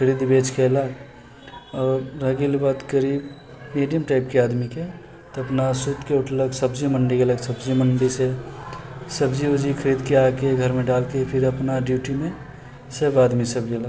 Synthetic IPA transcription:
kʰəɾiːd̪beːt͡ʃkelaɡ | ɔːɾːəɡilbat̪kəɾiːb | meːɖijəmʈaːɪp̚keaːd̪mike | t̪oɐpnasut̪keʊʈʰləɡsəbd͡ʒiməɳɖieələɡsəbd͡ʒiməɳɖise | səbd͡ʒiud͡ʒikʰəɾiːd̪keakeɡʱəɾmẽɖaːlkepʰɪɾəpnaɖjuːʈimẽ | səbaːd̪misəbd͡ʒiələɡ

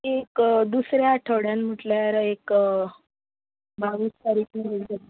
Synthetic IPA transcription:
ekd̪usɾjaːʈʰəʋɽjanm̤əʈljaɾek | bʱaʋiːst̪aɾiːkiʋeld͡za

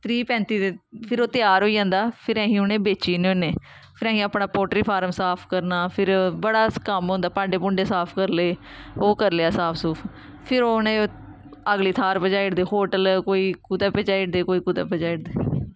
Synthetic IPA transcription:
t̪ʰɾiːpɛ̃ːnt̪iːd̪eːpʰɪɾoːt̪ɪjaːɾɦoːiːd͡ʒãːnd̪aːpʰɪɾɛ̃ːɦĩːʊnẽːbeːt͡ʃiːnõːneː | pʰɪɾɛ̃ːĩːaːpɳaːpoːʈɾiːpʰaːɾəmsaːpʰkəɾnaːpʰɪɾbəɽaːkəmɦõːnd̪aːpãːɳɖeːpʊɳɖeːsaːpʰkəɾleːoːkəɾleaːsaːpʰsuːpʰ | pʰɪɾoːnẽː | əɡliːt̪ʰaːɾpəd͡ʒaːiɽd̪eːhoːʈəlkoːiːkuːt̪aːpɛt͡ʃaːiɽd̪eːkoːiːkuːt̪a̰ːpəd͡ʒaːiɽd̪eː

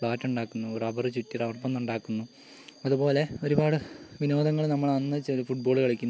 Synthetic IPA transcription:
ɭaːtːuɳɖaːkːunːuoɾɐbɐrɨt͡ɕutːirɐʋrpːɐnːuɳɖaːkːunːu | ɐðupo̞ːle̞o̞ɾubaːɽɨʋino̞ːd̪ɐŋːɐɭnɐmːɐɭɐnːɨt͡ɕːiɾufuʈ̚bo̞ːɭkɐɭikʲːunː

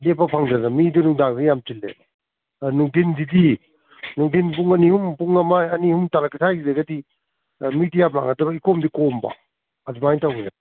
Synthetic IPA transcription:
lepːapʰaŋzanamidunuŋdaŋzijamtilːḛ | nuŋdindidi | nuŋdinpuŋɐnihumpuŋɐmajɐnihumtalakʰitʰajɡzeɡadi | mitijapla̰ŋadɐbɐikomdikɔmba̰ | adumajntawɡina

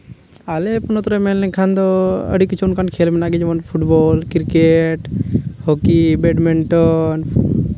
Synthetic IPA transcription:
alɛpunɔt̪ɔɾɛmɛnlɛkʰand̪ɔə̰ɖikːit͡ʃʰuunkankʰɛlmɛnaɡɛd͡ʒɔmanpʰuʈbɔlkiɾkeʈhɔkibɛɖmiɳʈɔn

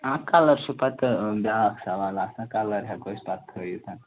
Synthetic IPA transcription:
ãkaləɾsupat̪baksaʋalaːsakaləɾɦakospat̪̚kʰəjut̪ã

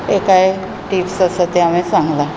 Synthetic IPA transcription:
ekaj | ʈiːpsəsət̪eamĩsãŋɡla

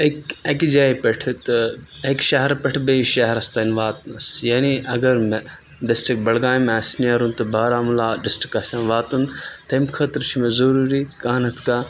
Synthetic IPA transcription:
ekɐkd͡ʒaːipɐʈʰt̪ɨ | ekʃɐɦɐɾpɐʈʰbeiʃɐɦɾɐst̪ɐnʋaːt̪nɐsjaːniʔɐɡɐɾme | ɖɪsʈɾik̚bɐlɡaːjmaːsnijaɾunt̪ɨbaːɾaːmulaːɖɪsʈɾikɐsɐ̃ːnʋaːt̪unt̪ɐmkʰɐt̪ɾt͡ʃʰimezɐɾuːɾikaːnɐt̪ʰkaː

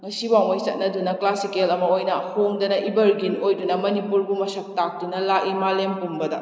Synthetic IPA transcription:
ŋɐsiwawmɐjt͡ʃɐt̚nɐdunɐklasikelɐmɐojnɐhoŋdɐnɐʔibɐɾɡinojdunɐmɐnipuɾbumɐsɐk̚tak̚dunɐlakimalempumbɐdɐ

